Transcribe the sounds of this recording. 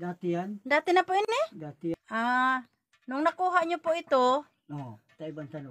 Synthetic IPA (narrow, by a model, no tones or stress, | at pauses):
dat̪iandat̪inapoinedat̪ia | nuŋnakuɦaʔɲupoʔit̪u | ɔ | t̪aibant̪an